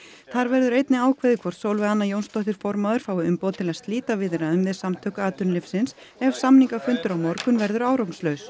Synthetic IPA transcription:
θaɾvɛɾðʏɾejt̪nɪaːwkʰvɛːðɪkʰvɔr̥t̪sowlvɪanːajownst̪ɔht̪ɪɾ̥fɔɾmaðʏɾ̥faːwɪʏmpowðt̪ʰɪlast̪liːt̪avɪðɪɾaðʏmðɪsamt̪ʰœːkaːt̪ʏnlɪfsɪns | ɛv̥samniŋkafʏnt̪ʏɾawmɔɾkʏnvɛɾðʏɾaːwɾowkn̥slœɥs

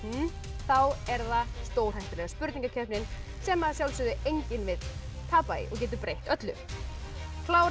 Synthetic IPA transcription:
θawɛɾðast̪oːwɾ̥hajht̪ʏlɛɣaspʏɾt̪niŋkacʰœhpnɪn | sɛːmasjawlsʏðʏʔejɲcɪnvɪð | t̪ʰaːpajɪ̰ʔɔ̰ɣcɛːt̪̬ʏpɾejht̪œt̪lʏ̰ | kʰlaːw

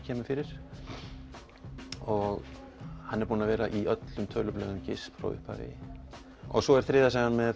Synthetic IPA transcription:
cʰɛːmʏfɪɾɪɾ̥ | ɔɣ | hanːɛɾpuːnavɛːɾaʔiœt̪lʏmt̪ʰœɥlʏplœːɣʏmcɪspfɾa̰wʏ̰hpa̰vɪ̰ | ɔ̰ɣsɔɛɾ̥θɾɪːðasɛɣanmɛð

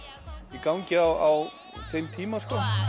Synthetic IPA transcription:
ikawŋcɪawaw | θejmt̪ʰiːmaskɔ

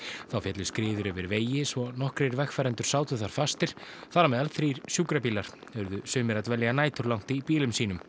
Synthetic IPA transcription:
θawfjɛt̪lʏskɾɪːðʏɾœvɪɾveːjɪsvɔnɔhkɾeɾvɛxfɛːɾɛnt̪ʏɾ̥saːwt̪ʏθaɾ̥fast̪ɪɾ̥θaɾamɛːðalθɾiːɾ̥sjuːkɾapiːlaɾ̥œɾðʏsʏːmɪɾat̪vɛlːɛɣanaːjt̪ʏɾlawŋ̥t̪ipiːlʏmsiːnʏm

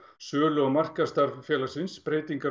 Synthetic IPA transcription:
sœːlʏɣmar̥kast̪aɾvfjɛːlḁsɪnspɾeːjt̪iŋka

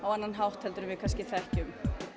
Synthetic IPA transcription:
awanːanɦawht̪ʰhɛlt̪ɾʏmvɪðkʰanscɪθɛhcʏm

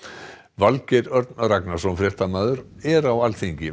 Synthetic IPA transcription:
valcɛɾœɾt̪nraknḁsɔmfɾɛht̪amaːðʏɾɛɾawalθiɲcɪ

